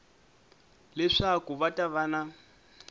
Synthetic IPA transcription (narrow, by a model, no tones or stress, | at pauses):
lɛʂakuβatʼaβana